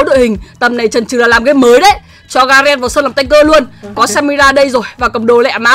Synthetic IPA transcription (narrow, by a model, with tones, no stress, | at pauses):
ɗɨ̰˧˨hï˨˩ŋ̟t̪ə˨˩mna˨˩jt͡ɕə˨˩nt͡ɕɨ˨˩laː˨˩laː˨˩mɣaː˨˦jməː˨˦jɗə˨˦j | t͡ɕɔ˧ɣaː˧zɛː˧nvaː˨˩səː˧naː˨˩˨t̪a˧ŋ̟kəː˧lu˧ənkɔ˨˦sɛ˧mi˧zaː˧ɗə˧jzo˨˩jvaː˨˩kə˨˩ŋ͡mɗo˨˩lɛ̰˧˨maː˨˦